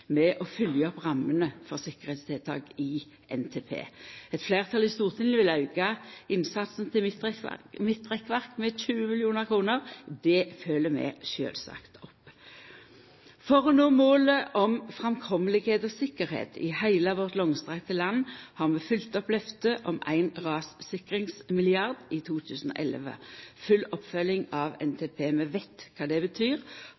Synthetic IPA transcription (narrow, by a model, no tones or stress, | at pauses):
mɛʔɔfʏljəɔpʁɑmːənəfɔʁsɪkəʁhet̪st̪ʰɛːlt̪ʰɑ̰ːɡɪ | ʔɛnt̪ʰeːpʰḛːɛt̪fleːʁt̪ʰɑlɪst̪uːʁt̪ʰɪŋəʋɪlɑʉɡɑɪnsɑt̪sn̩t̪ʰɪl | mɪt̪̚ːʁɛkːʋæʁkmɛçʉːəmɪljuːnəʁkʰʁuːnəʁd̪ɛføːləmɛ̰ʃø̰ːlsɑ̰kt̪ʰɔpː | fɔʁɔnoːmoːləʔɔmfʁɛmkʰɔməlɪɡheːt̪ɔsɪkːəɾhḛːt̪ʰɪ̰hæɪləʋɔʁt̪lɔŋst̪ʁɛkt̪əlɑnːhɑʁmɛfʏlt̪ɔpːlœft̪əʔɔmæ̰ɪnʁɑːssɪkʁɪŋsmɪlɪɑʁd̪ɪt̪ʰuːt̪ʰʉːsənɔ̰ʔɛlʋə̰fʉlːɔpfœlːɪŋɑʋɛ̰nt̪ʰeːpʰeːmɛʋæɪt̪kʰɑːd̪ɛbət̪ʰyːʁ